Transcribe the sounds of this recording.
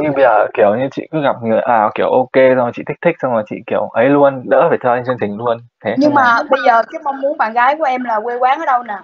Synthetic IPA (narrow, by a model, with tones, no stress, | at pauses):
ɲɨ˧ŋɓə˧zəː˨˩ki˧˩əwɲɨ˧t͡ɕḭ˧˨kɨ˨˦ɣa˨˩p̚ŋɨ˨˩əjʔaː˨˩ki˧˩əwʔo˧ke˧sa˧ŋ͡mt͡ɕḭ˧˨˩ï˦˥t̪ʰi˦˥k̟̚sa˧ŋ͡mlaː˨˩t͡ɕḭ˧˨ki˧˩əwʔə˨˦jlu˧ənɗə̰ː˧˥faː˨˩t͡ɕɔ˧ʔjŋt͡ɕi˧ŋt̪ï˨˩ŋ̟lu˧ən | t̪ʰe˨˦ɲɨ˧ŋmaː˨˩ɓə˧jzəː˨˩kaː˨˦jma˧wŋ͡mmu˨˦ənɓaː˧˩˨nɣaː˨˦jku˧˩əʔɛ˧mlaː˨˩kwe˧kwaː˨˦nʔəː˨˦˥ɗə˧wnaː˨˩